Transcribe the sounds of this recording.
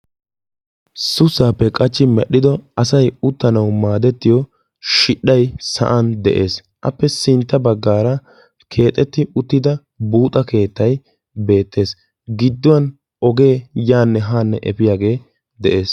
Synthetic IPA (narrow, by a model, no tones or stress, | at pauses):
sʊsaːpːɛkʼɐt͡ʃːɪmɛɗːɪd̪ɔɐsɐjʊt̪ːɐnɐwmaːd̪ɛt̪ːɪjɔ | ʃɪɗːɐjsɐ̰ʔɐnd̪ɛ̰ʔe̞̰ːs | ʔɐ̰pːɛsɪnt̪ːɐbɐɡːaːɾɐ | kʰe̞ːt̪ʼɛt̪ːɪʊt̪ːɪd̪ɐ | buːt̪ʼɐke̞ːt̪ːɐj | be̞ːt̪ːe̞ːs | ɡɪd̪ːʊwɐn | ɔɡe̞ːjaːnːɛɦaːnːɛʔɛfɪjaːɡe̞ː | d̪ɛʔe̞ːs